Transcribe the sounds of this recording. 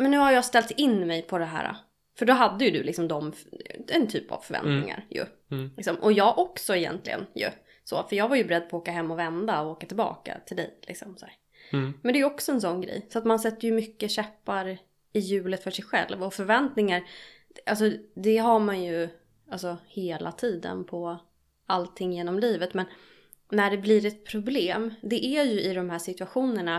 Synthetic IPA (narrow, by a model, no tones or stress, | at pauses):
mɛnːʉ̟ːhajɑːst̪ɛlt̪ɪnːmɛjpʰɔd̪ɛɦæ̰ːɾa̰ | fœɖɔɦad̪ːəjɵd̪ɵ̰lɪksɔmd̪ɔmɛnt̪ʰyːpa̰vfœɾvɛ̰nt̪nɪ̰ŋa̰ɾjɵ̰ | lɪksɔmʔɔjɑːɡʔɔksɔɛjɛ̰nt̪ʰlɪ̰ɡə̰njɵ̰ | so̰ːfœɾjɑːɡvaɾjɵbɛɾɛd̪̚ːpʰɔoːkaɦɛmːɔvɛnd̪aɔoːkat̪ʰɪlbɑ̰ːka̰t̪ʰɪld̪ɛ̰jlɪ̰ksɔmsæːɾ | mɛnd̪ɛːjɵɔksɔɛns̬ɔnːɡɾɛ̰jsɔat̪mansɛt̪ːəjɵmʏkːəɕɛpːaɾ | ɪjʉ̟ːlət̪fœʂɛjɧɛ̰lvɔfœɾvɛnt̪nɪŋaɾ | ʔals̬ɔd̪ɛɦaɾmanjɵ | alsɔheːlʔa̰t̪ʰiːd̪ə̰npʰɔ | alt̪ʰɪŋːjeːnɔmliːvət̪mɛn | næɖɛblɪɾɛt̪̚pʰɾʊbleːmd̪ɛʔæɾjɵʔɪd̪ɔmhæːʂɪt̪ɵaɧuːnəɳa